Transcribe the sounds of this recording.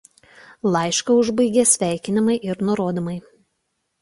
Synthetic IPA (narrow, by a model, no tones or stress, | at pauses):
lˠɑɪʃkɐʊʒbɐɪɡʲeːsʲʋʲæˑɪkʲɪnʲɪmɐɪʔɪɾnʊɾoːd̪omɐɪ